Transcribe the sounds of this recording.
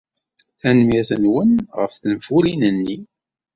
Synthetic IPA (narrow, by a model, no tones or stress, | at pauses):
θænmiɾθənwənʁə̰fθənfulinənːi